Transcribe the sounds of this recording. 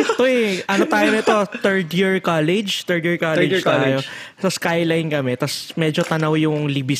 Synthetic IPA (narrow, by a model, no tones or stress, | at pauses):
t̪oɛʔɐnot̪aːjonɐɛt̪o̞t̪ɛɹd̪jɪɹkalɛd͡ʒt̪ɛɹd̪jɪɹkalɛd͡ʒt̪aːjosɐskajlɐjnkɐmɛt̪ɐsmɛːd͡ʒot̪ɐnɐwjʊŋlibɪ